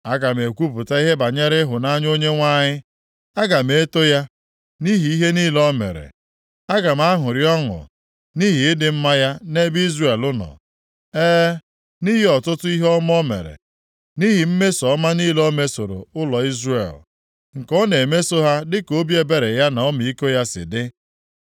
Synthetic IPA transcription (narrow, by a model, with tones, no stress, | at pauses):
a˦ɡa˨m˨e˨kʷu˦pʊ˨ta˦i˦ɦe˦ba˨ɲe˦ɾɪ˦ɦʊ˨na˦ɲ˦o˦ɲe˦ŋʷa˦ɲɪ˦ | a˦ɡa˨m˦e˦to˦ja˦ | ni˦ɦi˨i˦ɦe˦ni˦lɔ˦mḛ˨ɾḛ˨ | a˦ɡa˨m˦a˦ɦʊ˨ɾjɔ˦ŋʊ̰˨ | ni˦ɦi˨ɪ˦dɪ˨m̩˦ma˦ja˦ne˦bi˦zre˨lʊ˦nɔ̰˨ | eː˦ | ni˦ɦi˨ɔ˨tʊ˦tʊ˦i˦ɦɔ˦m˦ɔ˦mḛ˨ɾḛ˨ | ni˦ɦi˨m̩˦me˦sɔ˨˦ma˦ni˦lɔ˦me˦so˨ɾo̰˨ʊ˦lɔ˨i˦zrḛ˨l | ŋ̩˨kɔ˦ne˨me˦so˦ɦa˦dɪ˦ko˦bje˦be˦˨ɾe˨ja˦na˨ɔ˦m˨i˦ko˦ja˦sɪ̰˨dɪ˦